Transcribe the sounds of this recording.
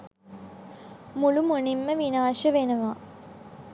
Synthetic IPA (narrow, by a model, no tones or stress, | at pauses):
mulumunimːəʋinaːʃəʋenəʋa